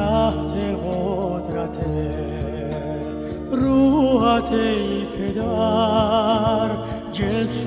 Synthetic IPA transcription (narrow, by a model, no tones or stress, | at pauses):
aɦt̪ʰeɦot̪ɾɐt̪ʰe | ɾuːɦat̪ʰeipʰed̪aː | ɾ | d͡ʒes